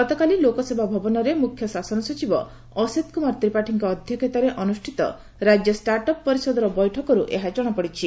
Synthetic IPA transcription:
ɡɔt̪ɔkalilokɔsebabʱɔbɔnɔɾemukʰjɔsasɔnɔsɔt͡ʃibɔ | ɔset̪kumaɾt̪ɾipaʈʰiŋkɔːd̪ʱjɔkʰet̪ɔɾeʔɔnusʈʰit̪ɔ̰ | ɾad͡ʒjɔsʈaɾʈɔpːɔɾisɔd̪ɔɾɔbɔjʈʰɔkɔɾuʔeɦat͡ʃɔɽ̃ɔpɔɽit͡ʃʰi

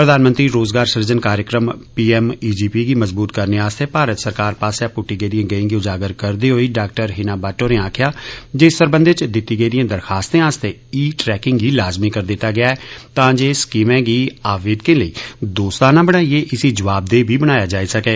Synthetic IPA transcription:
pɾəd̪aːnmə̃nt̪ɾiːɾoːzɡaːɾsəɾd͡ʒənkaːɾjəkɾəmpiːɛːmiːd͡ʒiːpiːɡiːməzbuːt̪kəɾneːaːst̪eːpaːɾət̪səɾkaːɾpaːseaːpʊʈːiːɡəid̪ɪjãːɡəĩːɡiːʊd͡ʒaːɡəɾkəɾd̪iːɦoːiːɖaːk̚ʈəɾɦɪnaːbaːʈːoːneːaːkʰjaːd͡ʒeːst̪əɾbə̃nd̪et͡ʃd̪ɪt̪ːiːɡəid̪ɪjãːd̪əɾxaːst̪ẽːaːst̪eː | iːʈɾɛːkɪŋɡɡiːlaːzmiːkəɾd̪ɪt̪ːaːɡɪjaːɛːt̪ãːd͡ʒeːskiːmɛ̃ːɡiːaːʋeːd̪kɪ̃nləiːd̪oːst̪aːnãːbəɽ̃aːieːʔɪsiːd͡ʒəʋaːb̚d̪eːbʱiːbəɽ̃aːjaːd͡ʒaːiːsəkeː

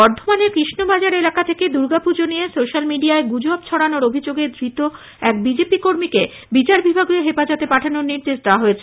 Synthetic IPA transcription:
bɔɾd̪ʱomaneɾkɾiʃnobad͡ʑaɾelakat̪ʰeked̪uɾɡapuɾd͡ʑonijesoʃalmiɖiaeɡud͡ʑabt͡ɕʰɔɽanoɾobʱid͡ʑoɡed̪ɾit̪o | ɛk̚bid͡ʑepikoɾmike | bit͡ɕaɾbʱibʱaɡueɦepad͡ʑot̪epaʈʰanoɾniɾd̪eʃd̪eaɦoet͡ɕʰe

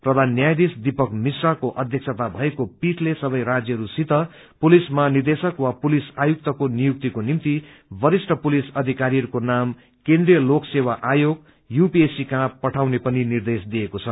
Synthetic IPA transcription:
prʌd̪ʱanːjajd̪isd̪ipʌkmisrakoʔʌd̪ʱjʌk̚sʰʌt̪abʱʌekopiʈlesʌbʌjɾad͡zjʌɾusit̪ʌ | pulismanird̪esʌkwapulisajuk̚t̪ʌkonijuk̚t̪ikonimt̪i | bʌɾisʈʰʌpulisʌd̪ʱikaɾiʌɾukonam | kẽnd̪rijʌloksewaʔajoɡ | jupiesikãpʌʈʰawnepʌninird̪esd̪ijekot͡sʰʌ

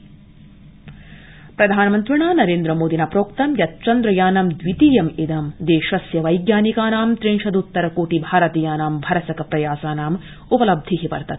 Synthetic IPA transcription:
pɾɐd̪ʱaːnɐmɐnt̪ɾiɳaːnɐɾeːnd̪ɾɐmoːd̪ʱinaːpɾoːkt̪ɐmjɐt̪̚t͡ʃɐnd̪ɾɐjaːnɐmd̪ʋit̪iːjɐmed̪ɐmd̪eːʃɐsjɐʋɐjɡjaːnikaːnaːmt̪ɾiŋʂɐd̪ut̪ːɐɾɐkoːʈibʱaːɾɐt̪iːjaːnaːmbʱɐɾɐsɐkɐpɾɐjaːsaːnaːm | upɐlɐb̚d̪ʱiɦipɐ̰ɾt̪ɐt̪̚

